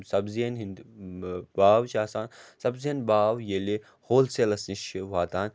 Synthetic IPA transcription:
sɐbziɐnɦind̪ | baːwt͡ʃaːsaːnsɐbzijɐnbaːwjele | hoːlselɐsniʃiʋaːt̪aːn

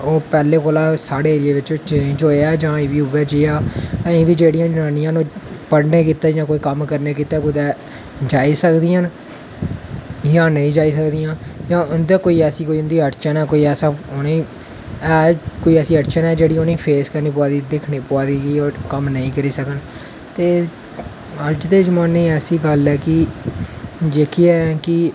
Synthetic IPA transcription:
oːpɛːleːkoːlaːsaːɽeːɾɪeːʋɪt͡ʃõːt͡ʃed͡ʒoːeɛːd͡ʒãːẽːʋiːʊʋɛːd͡ʒeːaːẽːʋiːd͡ʒeːɽijãːd͡ʒnaːnĩjãnoːpəɽneːkiːt̪ɛːd͡ʒãːkoːiːkəmkəɾneːkiːt̪ɛːkʊd̪ɛː | d͡ʒaːiːsəkd̪iːən | jãːnəĩːd͡ʒaːiːsəkd̪ijãːjãːʊnd̪eːkoːiːɛːsiːkoːiːʊnd̪iːəʈt͡ʃənɛːkoːiːɛːsãːʊnĩː | ɛːkoːiːɛːsiːəʈt͡ʃənɛːd͡ʒeːɽiːoniːpʰeːskəɾniːp̬ʊaːd̪iːd̪ɪkʰniːpʊaːd̪iːɡiːokəmnəĩːkəɾiːsəkən | t̪eː | əd͡ʒd̪eːd͡ʒmaːnːĩːɛːsiːɡəlɛːkɪ | d͡ʒekʰiɛkɪ

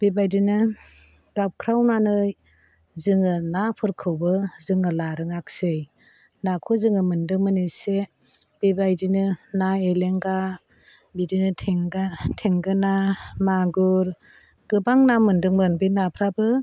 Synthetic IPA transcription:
b̥ebajdinɯ | ɡap̚kʰɾawnanɯj | zɯŋɯnapʰɯɾkʰɯwbɯzɯŋɯlaɾɯŋak̚sɯj | nakʰɔzɯŋɯmɯndɯŋmɯnise | b̥ebajdinɯnaeleŋɡa | bidinɯtʰeŋɡtʰeŋɡɯnamaɡuɾ | ɡ̥ɯbaŋnamɯndɯŋmɯnbinapʰɾabɯ

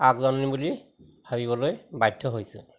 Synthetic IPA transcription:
akzɔnnibuli | bʱabibɔlojbajdʰʱɔɦojsʊ̰̃

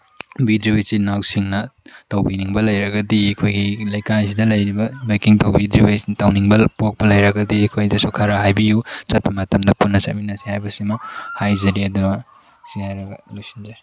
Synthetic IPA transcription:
bidɾibɐjsinawsiŋnɐtɐwbiniŋbɐlɐjɾɐɡɐdiɐkʰojɡilɐjkasidɐlɐjɾibɐmejkiŋtɐwbidɾibɐjtawniŋbɐpok̚pɐlɐjɾɐɡɐdiɐkʰojdɐsukʰɐɾaɦajbijut͡ʃɐt̚pimɐtɐmdɐpunːɐt͡ʃɐ̰t̚minɐsihajbɐsimɐhajzɐɾiɐdunɐ | sihajɾɐɡɐlujsinze

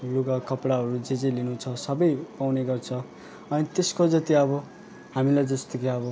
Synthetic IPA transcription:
luɡakʌpɽaɦʌɾud͡zed͡zelinũt͡sʰʌsʌbʌjpawneɡʌrt͡sʰʌ | ʌnit̪eskod͡zʌt̪iʌbʌ | hamilajd͡zʌst̪ʌkiʌbʌ

